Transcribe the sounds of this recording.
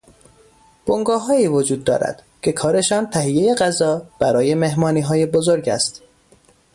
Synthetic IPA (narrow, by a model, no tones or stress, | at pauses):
b̥oŋɡɒːɦɒːiːvod͡ʒuːd̪̚ːɒ̰ːɾæ̰d̪̥ | cʰe̞kʰɒːɾe̞ʃɒːnt̪ʰæɦijːeje̞ɢæzɒːb̥æɾɒːje̞me̞ɦmɒːniːɦɒːje̞bozoɾɟæ̰st̪